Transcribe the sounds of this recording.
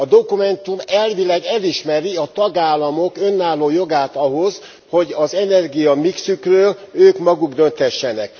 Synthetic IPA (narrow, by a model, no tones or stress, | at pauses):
ɒd̪o̞kumɛnt̪umɛlvilɛɡɛliʃmɛɾiɒt̪ɒɡaːlːɒmo̞kø̞nːaːlːoːjo̞ɡaːt̪ɒɦo̞z | ho̞ɟɒzɛnɛrɡijɒmiksykrøːløːkmɒɡuɡd̪ø̞nt̪hɛʃːɛnɛk